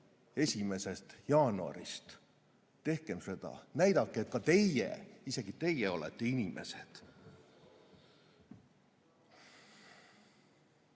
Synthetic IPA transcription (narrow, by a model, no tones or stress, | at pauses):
e̞sʲime̞se̞st̪jɑːnuɑ̰ɾist̪ | t̪e̞hkemse̞d̪̥ɑ̰næjd̪̥ɑkːˑeet̪kɑt̪e̞jjḛise̞ɡ̥it̪e̞jeo̞lḛt̪ːˑe̞inimʔe̞̰sed̪̥